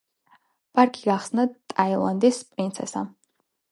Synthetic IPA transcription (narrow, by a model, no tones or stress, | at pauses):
pʼaɾkʼiɡaχsnat̪ʼailˠa̰nd̪ispʼɾint̪sʰɛ̰sa̰